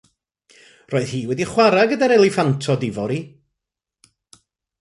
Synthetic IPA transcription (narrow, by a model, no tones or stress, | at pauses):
roːɨð̥hiːwɛdiχwaɾaɡədaɾɛlˠɪfantʰɔdɪvɔɾi